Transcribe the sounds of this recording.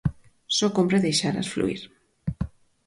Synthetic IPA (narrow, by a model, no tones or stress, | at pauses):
sɔkompɾeðejʃaɾa̰sflṵḭɾ